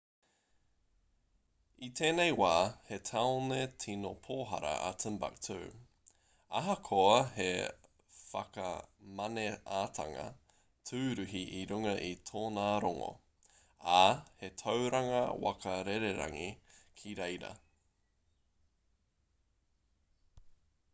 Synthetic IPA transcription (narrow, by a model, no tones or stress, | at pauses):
itʰeːnejwaːhe̞tʰaonetʰinopʰoːɦɐ̰ɾɐ̰ʔɐtʰəmba̰k̚tʰʉː | ɐɦɐkʰoɐhe | fɐkɐ̰mɐneaːtʰɐ̰ŋɐ̰ | tʰʉːɾʉɦiʔiɾʉŋɐʔitʰoːnaːɾoŋo̰ | ahetʰowɾɐŋɐwɐ̰kɐɾeɾeɾa̰ŋikʰiɾejɾɐ̰